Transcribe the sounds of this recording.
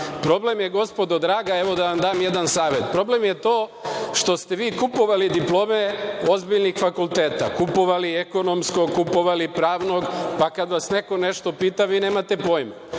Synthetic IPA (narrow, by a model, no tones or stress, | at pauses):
pɾo̞ble̞mjeɡo̞spo̞d̪od̪ɾaːɡae̞ʋo̞d̪aʋamd̪aːmje̞d̪ansaːʋe̞t̪pɾo̞ble̞mjet̪o̞ːʃt̪o̞st̪e̞ʋiːkupo̞ʋalid̪iplˠo̞ːmeo̞zbiʎnixfakulˠt̪eːt̪a̰kupo̞ʋalieko̞no̞msko̞kupo̞ʋalipɾaːʋno̞ɡpakad̪ʋasne̞ko̞ne̞ʃt̪o̞piːt̪aʋiːne̞ːmat̪e̞po̞jma